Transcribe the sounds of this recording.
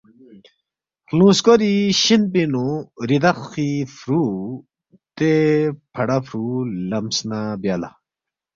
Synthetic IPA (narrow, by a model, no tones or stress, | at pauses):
klũːskoɾiɕinpinuɾid̪axifɾu | t̪epʰɐɽafʰɾulɐmsnabjaːla̰